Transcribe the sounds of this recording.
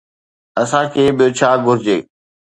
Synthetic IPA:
ɐsãkʰeːɓɪjot͡ɕʰaːɡʱʊɾɪd͡ʑeː

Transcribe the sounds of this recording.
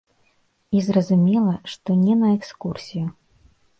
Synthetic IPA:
izrɐzumʲɛlˠɐʂt̪ɔnʲɛnɐɛkskursʲiju

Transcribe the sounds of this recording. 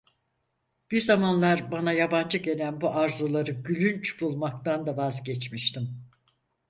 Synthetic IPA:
b̥iɾzamanlˠaɾbanajaband͡ʒɯɟe̞lʲænbuʔaɾzulˠaɾɯɟylʲynt͡ʃʰbulˠmak̚t̪and̪avazɟɛt͡ʃmiʃt̪im

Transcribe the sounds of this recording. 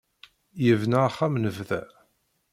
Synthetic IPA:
jəvnaχːæmnəvðæ̰

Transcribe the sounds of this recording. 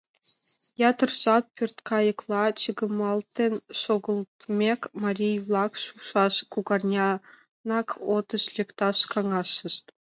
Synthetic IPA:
jɑt̪ɤ̆rzɑt̪̚pʲørʲt̪ʲkɑjɤ̆klˠɑt͡ɕə̆ɡɤ̆mɑlˠt̪ʲenʲʃoɡɤ̆lˠt̪mʲekʲmɑrʲijvlˠɑkʃuʂɑʃkuɡɑrnʲɑ | nɑkʰot̪ɤ̆ɕlʲĕkt̪ɑʃkɑŋɑʃə̆ʃt̪

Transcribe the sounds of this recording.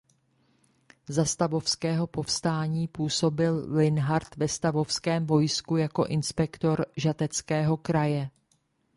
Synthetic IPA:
zast̪avo̞fskɛːɦo̞po̞fst̪aːɲiːpuːso̞bɪllɪnɦaɾt̪vɛst̪avo̞fskɛːmvo̞jskujako̞ʔɪnspɛkt̪o̞ɾʒat̪ɛt͡skɛːɦo̞kɾajɛ

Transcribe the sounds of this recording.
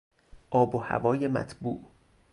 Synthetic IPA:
ʔɒːbohæ̰vɒːjemæ̰t̪ʰbṵːʔ

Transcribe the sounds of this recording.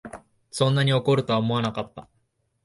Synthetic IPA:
sõ̞nːaɲ̟io̞ko̞ɾɯ̟t̪o̞βaomo̞anakat̪ːa

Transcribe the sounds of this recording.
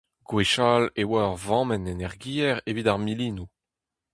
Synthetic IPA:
ɡ̥weʃaːlewaʁvɑ̃ːmɛnenɛʁɡiːɛʁevidaʁmiliːnu

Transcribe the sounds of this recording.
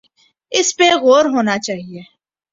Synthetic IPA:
ɪspeɣoːɾɦoːnat͡ʃaːɦieː

